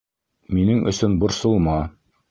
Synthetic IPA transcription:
minɘŋʔɵ̰̆sɵnbŏɾsŏlˠmɑ

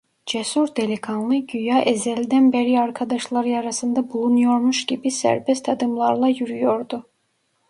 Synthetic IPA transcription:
d͡ʒɛsuɾd̪elikʰanlˠɯɟyjɑʔezɛlid̪ænbeɾiɑɾkʰɑd̪ɑʃlˠɑɾjɑɾɑsɯnd̪ɑbulˠunujo̞ɾmuʃɟibisæ̰ɾbɛst̪ʰɑd̪ɯmlˠɑɾlˠɑjyɾyjo̞ɾd̪u

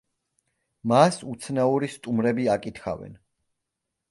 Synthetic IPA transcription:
masut̪sʰnauɾist̪ʼumɾɛbiakʼit̪ʰχa̰vɛ̰n

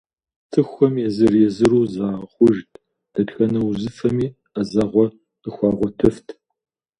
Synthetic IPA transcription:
tʰɨxʷɔmjɛzɨrjɛzɨɾuːzaːχʷʊʒtʼʰ | d̥ɐtxɐnɐwzɨfɐmiː | azɐʁʷɔ | əxʷɑːʁʷɔtʰɨftʰ

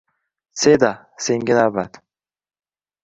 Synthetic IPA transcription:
sed̪a | seŋɡʲɪnabat̪

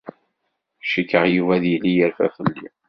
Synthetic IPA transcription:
ʃikːəʁjuvæðjilːijəɾfæ̰fəlːi

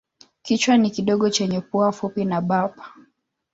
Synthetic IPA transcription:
kit͡ʃwanikiɗɔɠɔt͡ʃɛɲɛpuafupinaɓapḁ

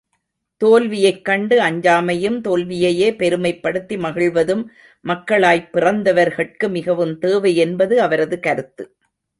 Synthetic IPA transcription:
t̪oːlʋɪjɐɪkːɐɳɖɯɐɲd͡ʒaːmɐjɯmt̪oːlʋɪjɐjeːpɛɾɯmɐɪpːɐɽɯt̪ːimɐɣɪɭʋɐðɯmː | ɐkːɐɭaːjpːɪrɐnd̪ɐʋɐɾɣɐɭkɯmɪɣɐʋɯmt̪eːʋɐɪɛnbɐðɯɐʋɐɾɐðɯkɐɾɯt̪ːɯ

